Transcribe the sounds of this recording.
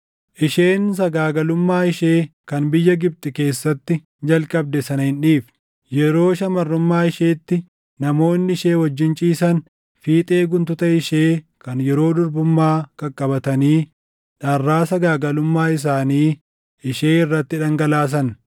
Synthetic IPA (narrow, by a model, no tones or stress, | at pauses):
ʔɪʃe̞ːns̬ɐɡaːɡɐlʊmːaːɪʃe̞ːkɐnbɪjːɐɡɪb̚t̪ʼɪke̞ːsːɐt̪ːɪ | d͡ʒɐlkʼɐb̚d̪ɛsɐnhɪnᶑiːf | jɛɾo̞ːʃɐmɐrːʊmːaːɪʃeːt̪ːɪ | nɐmo̞ːnːɪɪʃe̞ːwɐd͡ʒːɪnt͡ʃʼiːsɐn | fiːt̪ʼe̞ːɡʊnt̪ʊt̪ɐɪʃeː | kɐnjɛɾo̞ːd̪ʊɾbʊmːaːkɐkʼːɐbɐt̪ɐniː | ᶑɐrːaːsɐɡaːɡɐlʊmːaːɪs̬aːniː | ʔɪʃe̞ːɪrːɐt̪ːɪᶑɐŋɡɐlaːs̬ɐn